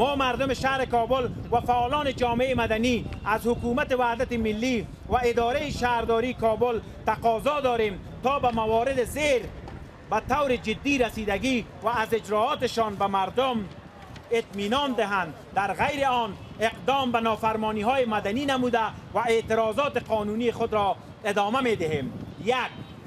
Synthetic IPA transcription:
mɔːmaɾd̪ʊmɪʃahɾɪkɔbʊlwafaːlɔːned͡ʒɒːmeeːmad̪aniazhʊkumat̪ɪwahd̪at̪ɪmɪlːi | waɪd̪ɒɾaɪʃaɾd̪ɔɾikɔbʊl | t̪aqɔːzɔd̪ɔɾem | t̪ɔːbamawɔːɾɪd̪ɪzeɾ | bat̪awɾɪd͡ʒɪd̪ːiɾasiːd̪aɡi | waːzɪd͡ʒɾɔːɔːt̪ɪʃɔːnbamaɾd̪ʊm | ɪt̪miːnɔnd̪ɪɦand̪ | d̪aɾɣajɾɪɔn | eqd̪ɔːmbanɔːfaɾmɔːniːɦɔːjemad̪aniːnamuːd̪avaet̪ɪɾɔːzɔːt̪ɪqɔːnunixʊd̪ɾɔ | ɪd̪ɒːmamed̪ɪɦeːmjak̚

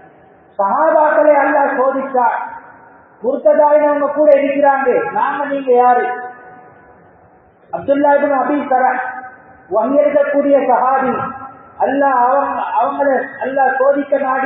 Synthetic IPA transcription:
sɐɦaːbaːkːɐɭɐɐlːaːsoːðɪtːaː | mʊɾɯt̪ːɐðaːʋɪnɐʋɐŋɡɐkuːɽɐɪɽɯkːɪɾaːŋɡɐnaːŋɡɐniːŋɡɐjaːɾɯ | ɐb̚d̪ʊlːaːɪbnɐbikɐɾɐn | ʋɐŋɡɛɾɯðɐkːuːɽɪjɐsɐɦaːðiɐlːaːʋɐŋɐʋɐŋɡɐɭɐɐlːaːsoːðɪkːɐnaːɽ

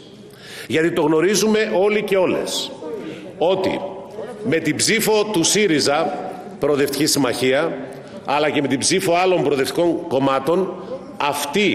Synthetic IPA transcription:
ʝɐt̪it̪o̞ɣno̞ɾizume̞ʔo̞lice̞o̞le̞̰s | o̞t̪ḭme̞t̪ibzifo̞t̪usiɾizɐ | pɾo̞ðe̞ft̪i̥cisimɐçiɐ | ɐlɐce̞me̞t̪ibzifo̞ɐlo̞mbɾoðe̞ft̪iko̞ŋko̞mɐt̪o̞n | ɐft̪i

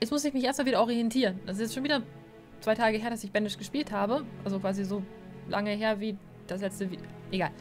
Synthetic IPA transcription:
jɛt͡smʊsɪçmɪçʔeːɐs̚tmalviːdɐʔɔʁiɛntʰiːʁəndɛs̬ɪsɛstʃoːnviːdɐ | t͡svaɪtʰaːɡəɦeːɐdasɪçb̥ɛnɪʃɡ̥əʃpiːlthaːbəʔalzokv̥aːzizoː | lʔa̰ŋəɦeːɐviː | d̥aslɛt͡stəviʔeɡaːl

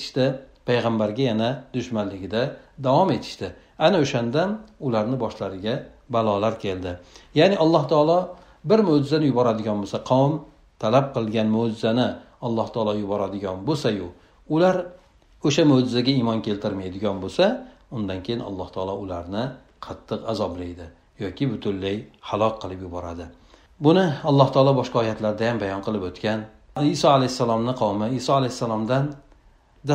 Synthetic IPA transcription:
ɪ̥ʃt̪ɪpʰajʁambaɾɡʲajanad̪ʊʃmanlːɪɡʲɪd̪ad̪awɒme̞t̪ʰɪ̥ʃt̪ɪ | anɪoʃand̪anʊlaɾnɪbɒʃlaɾɪɡʲa | balˠɒlaɾkʲʰe̞ld̪ɪjanɪʔɒlˠːɒht̪ʰɒːlˠɒ | bɪɾmod͡ʒɪzanɪjʊbɒɾad̪ɪɡʲɒnbosaqʰɒwm | t̪ʰalap̚qʰɨlˠɡʲanmod͡ʒɪzanɪ | ɒlˠːɒht̪ʰɒːlˠɒjʊbɒɾad̪ɪɡʲɒnbosajʊ | ʊlaɾ | oʃamod͡ʒɪzaɡʲaimɒnkʲe̞lt̪ʰɪɾmajd̪ɪɡʲɒnbosa | ʊnd̪ankʲʰejɪnɒ̰lˠːɒht̪ʰɒːlˠɒʊlaɾnɪ | qʰɑt̪ʰːɨqazɒblajd̪ɪ | jɒkʲɪbʊt̪ʰʊlːajhalˠɒkqʰːɨlˠɪpjʊbɒɾad̪ɪ | bʊnɪɒlˠːɒht̪ʰɒːlˠɒbɒʃkqɑɒjat̪ʰlaɾd̪ajambajɒnqʰɨlˠɪpot̪kʲan | ɪsɒalajsːalˠɒmnɪqʰɑwmɪɪsɒalajsːalˠɒmd̪an | d̪a

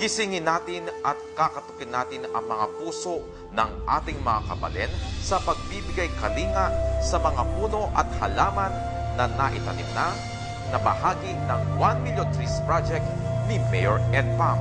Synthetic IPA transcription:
hɪsɪŋɪnaːt̪ɪnʔɐt̪̚kakɐt̪ʊkɪnaːt̪ɪnɐ̰ŋmɐŋapuːso̞ʔ | nɐŋʔa̰ːt̪ɪŋmɐŋakɐbɐ̰lɛnsɐpɐɡ̚bibɪɡajkɐliːŋɐʔsɐmɐŋapuːno̞ʔɐt̪̚hɐlaːmɐnː | ɐnɐʔɪt̪ɐnɪ̰mna | nɐbɐhaːɡinɐŋwanmiljont̪ɾispɹad͡ʒɛk̚t̪nɪmɛjoɹʔɛnd̪̚pam

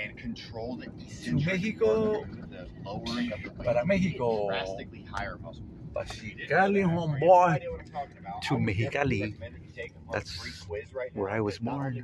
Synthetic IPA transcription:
ɨ̃nkʰntʰɹ̥oʊlˠ | tʰumɛɦiko | opaɾameɦikosklihaɪə˞ | pa̰ʃikalihɔ̃mbɔ | tʰumɛɦikali | ðæts | wə˞aɪwʌzbɔɹɪ̃ŋ

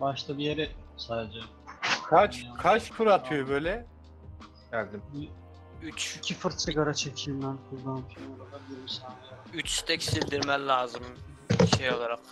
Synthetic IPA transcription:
baʃt̪ʰabijeɾɛsaːd̪ed͡ʒɛ | kʰat͡ʃkʰat͡ʃkʰuɾat̪ʰɯjobøjlʲɛ | ælʲd̪imbi | yt͡ʃicʲʰifɯɾsɯɡaɾat͡ʃʰecʰimd̪ænkʰuɾd̪anfimoɾad̪abiɾmisannjayt͡ʃst̪ʰɛcsilʲd̪iɾmæmlʲaːzɯm | iʃejo̞lˠaɾaq

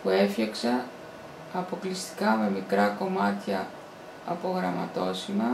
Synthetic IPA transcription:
pue̞fçɐksɐ | ɐpo̞klist̪i̥kɐme̞mikɾɐko̞mɐt̪çɐ | ɐ̰po̞ɣɾɐmɐt̪o̞simɐ

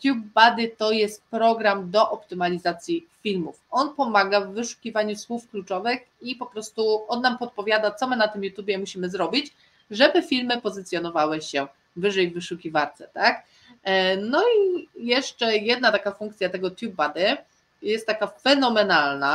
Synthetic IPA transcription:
t̪ʲjubːad̪ɘt̪ɔjɛst̪̚pɾɔɡɾamd̪ɔʔɔpt̪ɘmalʲizat̪sʲjifʲilmufʔɔnpɔmaɡavːɘʂu̥kʲivaɲuswufklut͡ʂɔvɘx | ipɔpɾɔst̪uɔnːampɔt̪̚pɔvʲjad̪at̪sɔmɘnat̪ɘmjut̪ʲjubʲjɛmuɕimɘzɾɔbʲit͡ɕ | ʐɛbɘfʲilmɘpɔzɘt̪sjɔnɔvawɛɕɛ | vɘʐɛjvɘʂukʲivaɾt̪sɛt̪ak | nɔijɛʂt͡ʂɛjɛd̪̚nat̪akafuŋkt̪sʲjat̪ɛɡɔt̪ʲjubːad̪ɘ | jɛst̪ːakafɛnɔmɛnalna

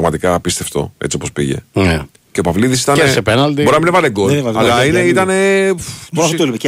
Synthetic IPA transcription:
ɣmɐt̪ikɐːpist̪e̞ft̪o̞̰e̞̰t͡sio̞po̞spḭʝe̞̰ne | cepɐvliðis̬it̪ɐnesepenɐld̪ioɾinɐminevɐleɡovɐɐlɐineit̪ɐne̞ | t̪ulm

